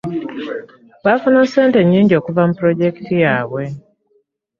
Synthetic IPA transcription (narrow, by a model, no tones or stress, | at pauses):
βafunonseːnte̞ɲːiːɲɟo̞ːkuvamupɾo̞ɟe̞ktijaːβwe̞